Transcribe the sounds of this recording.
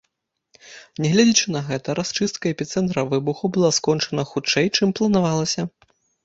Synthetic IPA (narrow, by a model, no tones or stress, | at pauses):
nʲɛɣlʲad͡zʲit͡ʂɨnɐɣɛt̪ɐɾast͡ʂɨst̪̚kɐɛpʲit̪sɛnt̪ɾɐvɨbuxubɨlˠaskɔnt͡ʂɐnɐxut͡ʂɛjt͡ʂɨmplˠɐn̪avalˠɐsʲɐ